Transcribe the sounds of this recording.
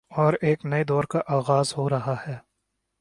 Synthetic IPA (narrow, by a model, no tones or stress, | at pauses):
ɔːɾeːknɐed̪ɔːɾkaʔaːɣaːzɦoɾɐɦahɛː